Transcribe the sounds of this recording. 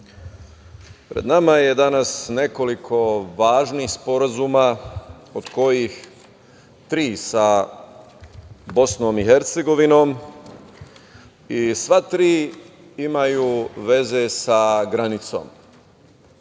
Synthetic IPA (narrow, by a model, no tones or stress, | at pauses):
pɾe̞̰d̪namaje̞d̪anasne̞ko̞likʰo̞ʋaːʒniːxspo̞ɾazuːma | od̪̥ko̞jix | t̪ɾiːsa | bo̞sno̞ːmixeɾt̪se̞ɡo̞ʋino̞ːm | isʋat̪ɾiː | imajuːʋe̞ze̞saɡɾanit̪so̞̰ːm